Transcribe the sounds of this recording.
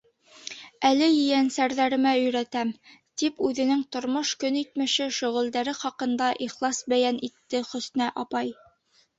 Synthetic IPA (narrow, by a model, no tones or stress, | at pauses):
ælɘjɵ̆jænsæɾðæɾɘ̆mæɵ̆jɾæt̪æmt̪ipʉðɘ̆nɘŋt̪ŏɾmoʃkɵnit̪̚mɘ̆ʃɘʃɵ̆ʁɵ̆ld̪æɾɘχɑqɤ̆nd̪ɑʔiχlˠɑsbæjænit̪ːɘχɵ̆s̆næʔɑpɑj